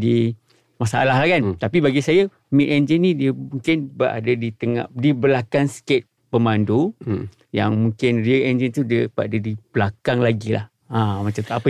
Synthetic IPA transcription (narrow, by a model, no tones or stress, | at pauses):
di | masa̰laɦlakant̪apibaɡisaja | miʔ̪̚ɛnd͡ʒənːidiəmuŋkɪnbəʔa̰dadit̪əŋa̰dibəlakansket̪̚ | pəmandu | ja̰ŋmũŋkɪnriəɛnd͡ʒənt̪udəbaʔadadib̥əlakaŋlaɡila̰h | amat͡ʃamt̪uapə